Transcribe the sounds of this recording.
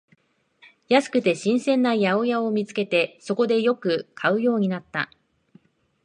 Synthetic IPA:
jasɨ̥kɯ̟t̪e̞ɕĩɰ̃sẽ̞nːajao̞jao̞mʲit͡sɨ̥ke̞t̪e̞so̞ko̞d̪e̞jo̞kɯ̟kʰaɯ̟jo̞ːɲ̟inat̪ːa̰

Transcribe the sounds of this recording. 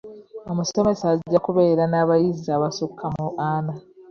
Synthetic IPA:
omuso̞me̞saɟːakuβe̞ːɾanaːβajizaːβasukʰːamuʔaːna

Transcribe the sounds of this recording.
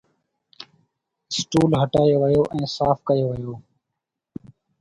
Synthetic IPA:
sʈuːlɦəʈaːeːʋəjoːʔɛ̃ːsaːfkəeːʋəjoː

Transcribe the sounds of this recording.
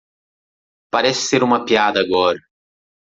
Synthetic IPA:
paɾɛsɪ̥seɾũmɐpiad̪ɐːɡɔɾɐ

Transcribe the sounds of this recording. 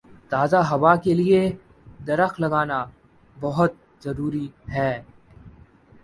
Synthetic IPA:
t̪aːzaɦɐʋakelie | d̪ɐɾəxlɐɡaːna | bɐɦʊt̪̚ | zɐɾuːɾiɦɛː

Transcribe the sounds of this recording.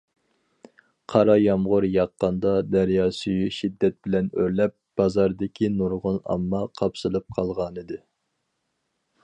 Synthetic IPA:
qʰɑɾɑjɑmʁʊɾjɑqːɑnd̪ɑd̪ɛɾjɑːsyjyʃid̪ːɛt̪̚bɪlɛnøɾlɛp̚b̥ɑzɑɾd̪ɪkʲʰinuɾʁʊnɑ̰mːɑqʰɑpsɨlˠɨp̚qʰɑlˠʁɑnɨd̪ɨ

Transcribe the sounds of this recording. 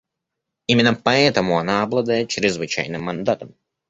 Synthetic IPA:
imʲinapaɛːt̪amuɔnaːblˠad̪ɛːt͡ʃɾizvɨt͡ʃɛ̰jnɨmːand̪at̪ɐm

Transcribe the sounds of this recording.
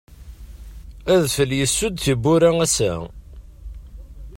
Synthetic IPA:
æðfəljəsːʊd̪θibːʊɾæŋæsæ̰

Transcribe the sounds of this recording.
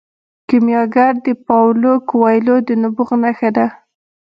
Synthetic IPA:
kɪmjɑɡaɾd̪əpɑwlokwɑjlod̪ənʊbuɣnaxad̪a

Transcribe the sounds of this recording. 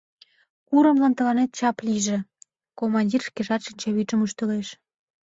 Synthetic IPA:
kuɾə̆mlɑnt̪ə̆lɑnet̪̚t͡ɕɑpliʒĕ | komɑnʲdʲirʃkeʒɑt̪ʃinʲt͡ɕoβit͡ʃəmuʃt̪ə̆leʃ

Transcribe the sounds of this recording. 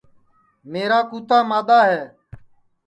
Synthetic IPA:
meːɾaːkuːt̪aːmaːd̪aːɦɛː

